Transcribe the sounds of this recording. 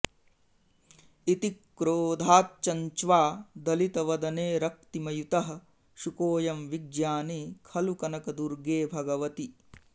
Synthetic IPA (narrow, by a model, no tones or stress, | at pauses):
it̪ikːɾoːd̪ʱaːt̪̚t͡ʃɐɲt͡ʃʋaːd̪ɐlit̪ɐʋɐd̪ɐneːɾɐk̚t̪imɐjut̪ɐɦɐ̆ | ʃukoːjɐmʋiɡjaːnikʰɐlukɐnɐkɐd̪uɾɡeːbʱɐɡɐʋɐt̪i